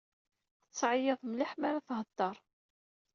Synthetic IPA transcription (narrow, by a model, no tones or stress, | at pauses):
ət͡sːʕjəðˤmlaħmaɾaθɦəd̪ːɑɾˤ